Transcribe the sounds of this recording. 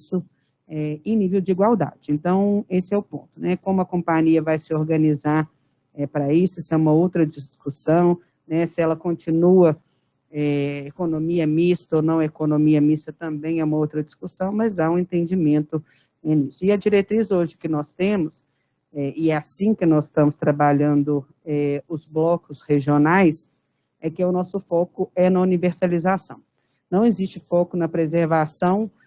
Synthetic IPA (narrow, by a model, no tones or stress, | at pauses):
sʊ | ɛẽj̃nivewd͡ʒɪiɡwawd̪a̰d͡ʒɪẽnt̪ɐ̃w̃esɪɛʊpõ̰nt̪ʊnɛkõmʊɐkõmpaɲiɐvajsɪoɾɡɐ̃nizaɾ | ɛpɾɐisʊsɪɛũmɐowt̪ɾɐd͡ʒiskusɐ̃w̃ | nɛsɪɛlɐkõnt͡ʃinuɐ | ɛekonõmiɐmist̪ɐonɐ̃w̃ɛekonõmiɐmist̪ɐt̪ɐ̃mbẽj̃ɛũmɐowt̪ɾɐd͡ʒiskusɐ̃w̃mɐzaũẽt̪ẽnd͡ʒimẽnt̪ʊ | enisʊɪɐd͡ʒiɾet̪ɾizoʒɪkɪnɔst̪ẽmʊs | ɛɪɛasĩkɪnɔzɪst̪ɐ̃mʊst̪ɾabaʎɐ̃nd̪ʊ | ɛʊzblɔkʊsheʒionajs | ɛkɪɛʊnɔsʊfɔkʊɛnɐuniveɾsalizasɐ̃w̃ | nɐ̃w̃ezist͡ʃɪfɔkʊnɐpɾezeɾvasɐ̃w̃